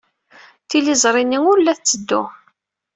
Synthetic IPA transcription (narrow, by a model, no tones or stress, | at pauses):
θilizˤɾˤinːiŋʊɾlːæθt͡sːəd̪ːʊ